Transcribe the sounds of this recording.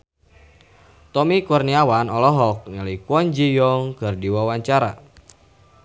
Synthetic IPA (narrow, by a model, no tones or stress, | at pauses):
t̪ɔmikurniawanɔlɔɦɔk̚ɲəlikɔnd͡ʒijɔŋkərdiwawaɲt͡ʃaɾa̰